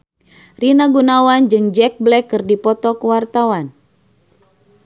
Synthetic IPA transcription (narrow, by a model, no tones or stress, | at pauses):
rinaɡunawand͡ʒɨŋd͡ʒɛk̚blɛkːɨrdipɔt̪ɔkuwart̪awan